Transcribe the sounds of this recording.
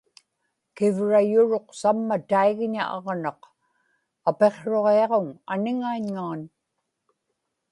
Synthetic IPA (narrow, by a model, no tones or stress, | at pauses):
kɪvɻajʊɻo̞qsamːat̪aiɣɲa̰ʔɑʁnɑq | ape̞qʂo̞ʁeɑʁoŋanɪŋaiɲŋaːn